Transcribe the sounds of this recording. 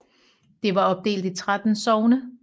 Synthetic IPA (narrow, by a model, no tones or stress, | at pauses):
d̥e̝ʋɑ̈ɒ̽b̥̚d̥e̝̰ːld̥it͡sʰʁad̥n̩sɒʊnə